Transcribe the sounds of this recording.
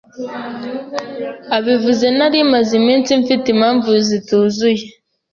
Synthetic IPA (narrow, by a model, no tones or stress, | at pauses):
aβivuze̞naɾimazimiːnsiɱfitimhaːɱvuzituːzuje̞